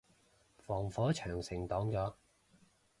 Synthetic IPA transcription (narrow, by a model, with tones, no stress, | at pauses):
fɔː˨˩ŋfɔː˨˥t͡ʃʰœː˨˩ŋsɪ˨˩ŋt̪ɔː˨˥ŋt͡ʃɔː˨˥